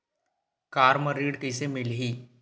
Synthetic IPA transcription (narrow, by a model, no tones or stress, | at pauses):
kaːɾməɾiːɖkəɪsemɪlɦiː